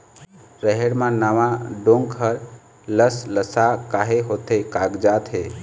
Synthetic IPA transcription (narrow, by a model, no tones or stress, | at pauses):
ɾəɦeɽmãnaʋãɖoŋɡɦəɾ | ləsləsakaɦeɦot̪ekaɡd͡ʒat̪ɦe